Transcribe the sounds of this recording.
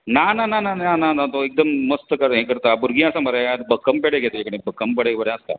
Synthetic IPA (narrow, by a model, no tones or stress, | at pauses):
nananananananat̪oek̚d̪əmːəst̪əkəɾɦekəɾt̪abuɾɡʱĩːasaməɾeat̪bəkːəmpeɽeɡʱet̪əekəɽ̃ibəkəmpəɽekbəɾɛ̃əst̪a̰